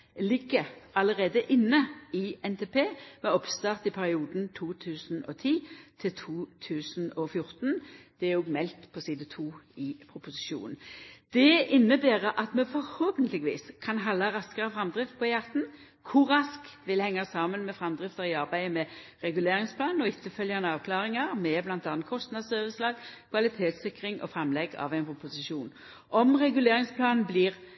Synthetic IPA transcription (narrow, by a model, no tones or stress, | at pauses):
lɪɡːəɑləʁeːd̪əʔɪnːəɪɛnt̪ʰeːpʰeːmɛɔpst̪ɑːʁt̪ɪpʰæʁɪuːd̪n̩t̪ʰuːt̪ʰʉːsn̩ɔt̪ʰiːt̪ʰɪlt̪ʰuːt̪ʰʉːsn̩ɔfjʊʁt̪nd̪̥ɛæʊɡmɛlt̪pʰɔsiːd̪ət̪ʰuːɪpʰʁʊpʊsɪ̥ʃṵːnn̩d̪̥ɛɪnːəbæːʁəʔɑt̪mɛfɔʁhoːpənt̪lɪɡʋḭːskʰɑnɦɑlːɑʁɑskəʁəfɾɑmd̪ʁɪft̪̚pʰɔjɑt̪n̩ | kʰʊːɑskʋɪlhɛŋːɑsɑːmənmɛfɾɑmd̪ʁɪft̪əʁɪɑʁbæɪmɛɾɛɡʉleːʁɪŋspʰlɑːnnɔɪt̪ʰːəfœljɑnəɑːʋkʰlɑːɾɪŋɑɾmɛblɑnt̪ɑːnt̪kʰɔst̪nɑd̪sœʋəslɑːɡkʰʋɑlɪt̪ʰeːt̪sɪkɾɪŋʔɔ̰fʁɑmlɛɡɑ̰ʋæɪnpʰɾʊpʊsɪʃuːn | ʔɔmʁɛɡʉleːɾɪŋspʰlɑːnn̩blɪːʁ